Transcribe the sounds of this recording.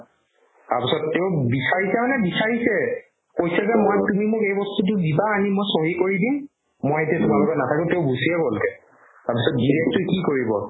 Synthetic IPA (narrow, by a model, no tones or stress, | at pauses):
taɹpisɔtːeʊbisaɹisɛmanɛbisaɹisɛ | kojsazɛmojtumimʊkejbɔstut̬ʊdibaːnimojsoɦikoɹidimː | ojetiatʊmalɔɡɔnatʰakɛ̃teʊbusijɛbolkɛ | taɹpisɔt̚diɹɛk̚tʊkikoɹibɔ